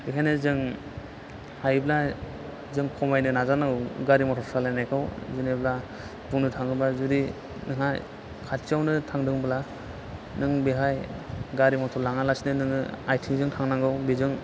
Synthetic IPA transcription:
bikʰajnɯzɯŋ | ajbla | zɯŋkʰɔmajnɯnazanawɡaɾimɔtʰɔɾpʰɾalanajkʰawzɯnebla | buŋnɯtʰaŋɯbazudi | nɯŋaj | kʰatsawnɯtʰaŋdɯŋbɯla | nɯŋbeɦajɡaɾimɔtʰɔɾlaŋalasinɯnɯŋɯajtʰiŋzɯŋtʰaŋnaŋɡɯwbezɯŋ

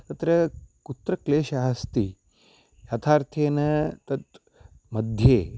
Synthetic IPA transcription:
t̪ɐt̪ɾɐkut̪ɾɐkleːʃaːɦɐst̪i | jaːt̪ʰaːɾt̪ʰeːnɐt̪ɐt̪ | mɐd̪ʱjeː

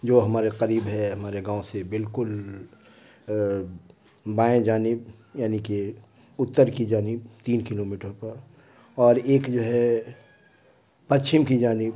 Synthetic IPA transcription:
d͡ʒoːɦɐmaːɾeqɐɾiːbɦɛɦɐmaːɾeɡãːõsebɪlkʊl | baːẽd͡ʒaːnɪb̚jaːnike | ʊt̪ːəɾkid͡ʒaːnɪbt̪iːnkɪlomiːʈəɾpɐɾ | ɔːɾeːkd͡ʒoːɦɛ | pɐtːʃɪmkid͡ʒaːnɪb

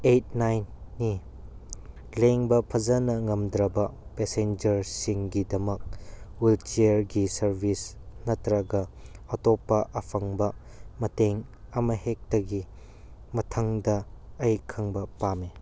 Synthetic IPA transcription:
ejt̚najnːi | leŋbɐpʰɐzɐnɐŋɐmd̪ɾɐbɐpesend͡ʒɐɾsiŋɡidɐmɐk̚wilt͡ʃeɾɡisɐɾbʱisnɐtɾɐɡɐɐtopːɐʔɐpʰɐŋbɐ | mɐteŋ | ɐmɐɦek̚tɐɡi | mɐtʰɐŋdɐɐjkʰɐŋbɐpame

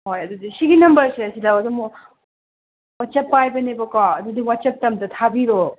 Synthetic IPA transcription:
ɦojɐd̪udisiɡinɐmbɐɾseɐsidawɐdumɔ | watt͡ʃɐpːajbɐnebɐkɔɐdudiwat͡ʃɐp̚tɐmtɐt̪ʰabiɾo

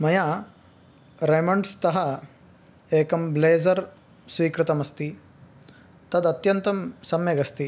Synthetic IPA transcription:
mɐja | ɾemɐɳɖst̪ɐɦɐ | eːkɐmbleːzɐɾ | sʋiːkɾɪt̪ɐmɐst̪i | t̪ɐd̪ɐt̪jɐnt̪ɐmsɐmjeɡɐst̪i

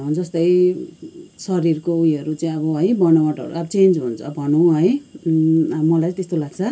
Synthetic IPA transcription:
d͡zʌst̪ʌj | sʌɾirkoujʌɾut͡saĩʌβʌɦʌjbʌnawaʈʌ̰ɾṵabʌt͡send͡zɦunt͡sʰʌ̰bʱʌnũɦʌj | mʌlajt̪est̪olaɡ̚t͡sʰʌ

